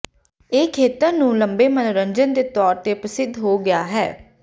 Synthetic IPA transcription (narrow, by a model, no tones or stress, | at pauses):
eːkʰːeːt̪əɾnũːləmbeːmənoɾəɲd͡ʒənd̪eːt̪ɔːɾt̪eːpəsɪd̪ʱɦoːɡɪjaːɦɛ̰ː